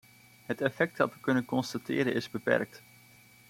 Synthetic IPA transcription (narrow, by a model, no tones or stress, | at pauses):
ɦətɛfɛk̚tdɑtʋəkɵnənkɔnstatɪ̰ːɾənɪzbəpɛ̰rk̚t